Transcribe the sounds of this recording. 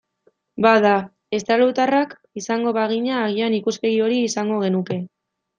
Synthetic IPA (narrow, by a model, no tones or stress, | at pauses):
baða | e̞st̪alut̪arak | isaŋɡo̞βaɣ̞iɲaːɣianikuspe̞ɣio̞ɾiːsaŋɡo̞ɣ̞e̞nuke̞